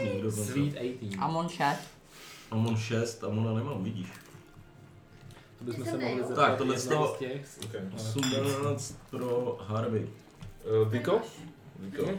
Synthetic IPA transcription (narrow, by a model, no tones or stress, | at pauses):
ɲɛɡdokozvit̪ɛjt̪iːʔamonʃɛst̪ | ʔamonʃɛst̪ʔamonanɛmaːmvɪɟiːʃ | t̪obɪsmɛɛmoɦlɪzɛt̪ak̚t̪odlɛst̪oɛxokɛosumnaːt͡st̪̚pɾoɦaɾbɛj | vɪkovɪko